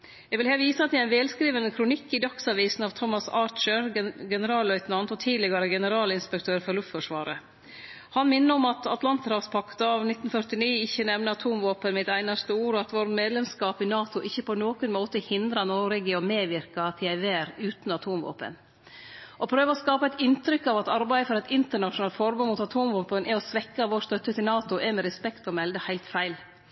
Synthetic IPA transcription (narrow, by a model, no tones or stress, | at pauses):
jɛɡʋɪlheːʋiːsəɑt̪jææɪnʋɛːlskɾiːʋənəkʰɾʊnɪkːɪd̪ɑksɑʋiːsn̩ɑːʋt̪ʰɔmːɑsɑːɾt͡ʃəɾɡɛnəɾɑːlœʏt̪nɑnd̪ɔt̪ʰiːd̪lɪɡɑɾəɡɛnəɾɑːlɪnspɛkt̪ʰøːɾfɔɾlʉft̪fɔʂʋɑ̰ːɾə | hɑnmɪnːəɔmɑt̪ɑt̪lɑnt̪ɾɑːfspʰɑkt̪ɑɑːʋnɪt̪n̩fœɾt̪ɪniːɪçənɛʋnəɑt̪ʰuːmʋoːpənmɪt̪æɪnɑst̪əuːɾɑt̪ʋoɾmeːd̪lɛmskɑːpɪnɑːt̪ʊʔɪçːəpʰɔnoːkənmoːt̪əhɪnd̪ɾɑnoɾɛɡɪɔmeːʋɪɾkɑt̪ʰɪæɪʋeːɾʉːt̪n̩ɑt̪ʰuːmʋo̰ːpə̰n | ʔɔpʰɾøːʋəɔskɑːpɑɛɪt̪ɪnt̪ɾʏkːɑʋɑt̪ɑɾbæɪəfɔɾɛt̪ɪnt̪əɳɑʂʊnɑlfɔɾbʉːmuːt̪ɑt̪ʰuːmʋoːpənʔɛɔsʋɛkːɑʋoːst̪œt̪ːət̪ʰɪlnɑːt̪ʊʔɛmɛɾɛspɛkt̪ɔmɛld̪əhæɪlt̪fæɪl